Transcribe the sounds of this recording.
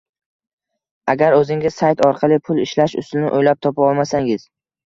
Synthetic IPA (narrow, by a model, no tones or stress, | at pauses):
aɡʲaɾɵzɪŋʲɪzsajt̪ʰɒɾqʰɑlˠɪpʰʊlˠɪʃlaʃʊ̰sɪnɪʔojlap̚t̪ʰɒpaɒlˠmasaŋɪz̥